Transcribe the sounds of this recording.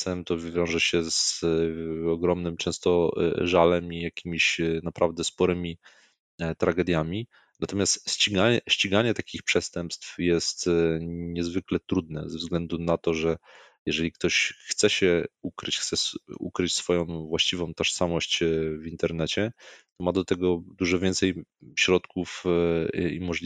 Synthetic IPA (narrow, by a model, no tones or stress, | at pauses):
sɛmt̪ɔvʲjɔ̃w̃ʐɛɕɛz | ɔɡɾɔmnɘmt͡ʂɛ̃w̃st̪ɔʐalɛmijakʲimʲiɕnapɾʔavd̪ɛspɔɾɘmʲi | t̪ɾaɡɛd̪ʲjamʲi | nat̪ɔmʲjast̪ɕt͡ɕiɡaɲɛɕt͡ɕiɡaɲɛt̪akʲixpʂɛst̪ɛmpst̪fjɛst̪ɲɛzvɘklɛt̪ɾud̪nɛzɛvzɡlɛnd̪unat̪ɔʐɛ | jɛʐɛlʲik̚t̪ɔɕxt̪sɛɕɛukɾ̰t͡ɕxt̪sɛsṵkɾɘt͡ɕsfɔjɔ̃w̃vwaɕt͡ɕivɔ̃w̃t̪ɔʂsamɔɕt͡ɕvint̪ɛɾnɛt͡ɕɛt̪ɔmad̪ɔt̪ɛɡɔd̪uʐɔvʲjɛnt̪sɛjɕɾɔt̪kuf | ḭmɔʐʲ